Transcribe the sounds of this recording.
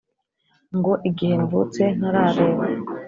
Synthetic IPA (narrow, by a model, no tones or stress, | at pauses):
ŋɡo̞ʔiɡihenvut͡se̞n̥aɾaɾeːwe